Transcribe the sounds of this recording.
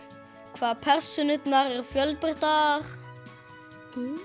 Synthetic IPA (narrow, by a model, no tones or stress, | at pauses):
kʰvaːðpʰɛr̥sʏnʏt̪naɾɛɾ̥fjœlpɪht̪aɾ̥